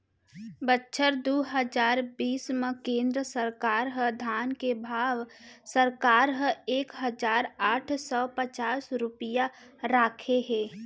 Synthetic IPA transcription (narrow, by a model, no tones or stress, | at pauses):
bətːʃʰəɾd̪uːɦəd͡ʒaːɾbiːsmə̃kẽːnd̪ɾəsəɾkaːɾɦəd̪ʱaːnkebʱaːʋsəɾkaːɾɦə̃eːkɦəd͡ʒaːɾaːʈʰsɔːpət͡ʃaːsɾʊpɪjaɾaːkʰeɦɛː